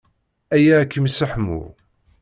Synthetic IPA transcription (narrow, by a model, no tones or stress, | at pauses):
æjækːəmsəħmṵ